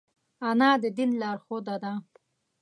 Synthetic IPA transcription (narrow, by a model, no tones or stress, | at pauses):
anɑːd̪əd̪inlɑːɾxod̪ad̪a